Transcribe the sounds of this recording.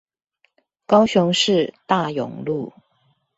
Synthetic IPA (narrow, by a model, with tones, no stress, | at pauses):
kɑ˥ʊɕʊ˧˥ŋʂɻ̩˥˧t̪a˥˩jʊ̰˨˩ŋlu˥˩